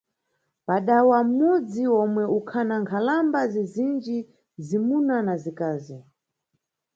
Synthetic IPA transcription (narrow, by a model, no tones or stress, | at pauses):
paɗawam̩mud͡ziɔmwɛukʰanaŋkʰalambazizind͡ʒi | zimunanazikaːzi